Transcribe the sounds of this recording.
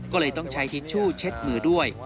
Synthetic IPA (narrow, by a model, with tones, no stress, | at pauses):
kɔː˥˩lɤː˧jt̪ɔ˥˩ŋt͡ɕʰa˦˥jt̪ʰi˦˥t̪̚t͡ɕʰuː˥˩t͡ɕʰe˦˥t̪̚mɯː˩˦du˥˩əj